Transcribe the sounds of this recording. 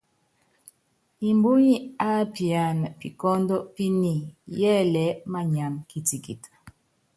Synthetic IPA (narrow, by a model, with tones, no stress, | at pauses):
i˨mbu˦ɲi˦a˦pi˨a˨n˨pi˨kɔ˦ndɔ˦pi˦ni˨jɛ˦lɛ˨˦ma˦ɲa˨mki˨ti˨kḭ˨t